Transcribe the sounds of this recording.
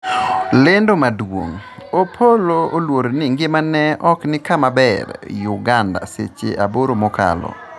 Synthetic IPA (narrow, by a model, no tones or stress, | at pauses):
lɪndomadwo̰ŋopʰoloolwoɾnɪŋɡɪmanɛɔknɪkamabɛrjʊɡanda̰sḛt͡ʃḛʔaboɾomɔka̰lɔ̰